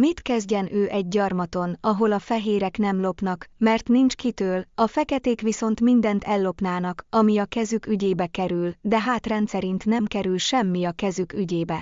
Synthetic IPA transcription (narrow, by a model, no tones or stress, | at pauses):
mit̪kɛzɟɛnøːʔɛɟ̚ːɒrmɒt̪o̞nɒɦo̞lɒfɛɦeːɾɛknɛmlo̞pnɒkmɛrt̪nint͡ʃkit̪øːlɒfɛkɛt̪eːkʋiso̞nt̪mind̪ɛnt̪ɛlːo̞pnaːnɒkɒmiɒkɛzykyɟeːbɛkɛɾyld̪ɛɦaːt̪rɛnt̪sɛɾint̪nɛmkɛɾylʃɛmːiɒkɛzykyɟeːbɛ